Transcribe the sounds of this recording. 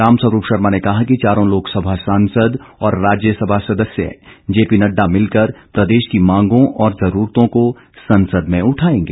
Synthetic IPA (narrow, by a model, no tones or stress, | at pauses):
ɾaːmsɐɾuːpʃɐɾmanekɐɦakit͡ʃaːɾõloːksɐbʱasaːnsəd̪ɔːɾːaːd͡ʒjəsɐbʱasɐd̪əsjə̰d͡ʒeːpinɐɖːamɪlkəɾpɾɐd̪eːʃkimãːŋɡõʔɔːɾzɐɾuːɾt̪õko | sɐ̃nsəd̪mẽʊʈʰaːẽːŋɡeː